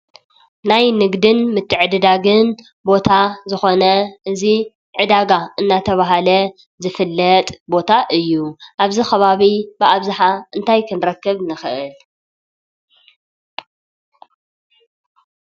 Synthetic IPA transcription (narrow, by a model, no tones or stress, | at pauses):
najnɨɡd̪ɨnmɨt̪ʰːɨʕɨd̪ɨd̪aɡɨn | bo̞t̪ʰazɨxo̞nɐʔɨzi | ʕɨd̪aɡaɨnːat̪ʰɐβaɦalɐ | zɨfɨlːɐt̪ʼbo̞t̪ʰaʔɨjːuʔaβzixɐβaβibɨʔaβzɨħaɨnt̪ʰajkʰɨnɾɐkːɨβnɨxɨʔɨl